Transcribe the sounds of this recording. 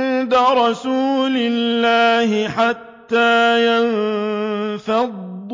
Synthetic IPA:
nd̪aɾˤɑsuːlɪlːaːhɪħat̪ːaːjan | fɑd̪ˤː

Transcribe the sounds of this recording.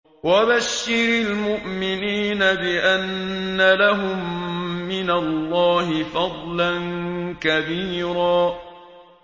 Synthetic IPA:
wabaʃːɪɾalmʊʔmɪniːnabɪʔanːalaɦʊmːɪnalːɑːɦɪfɑd̪ˤlankabiːɾaː

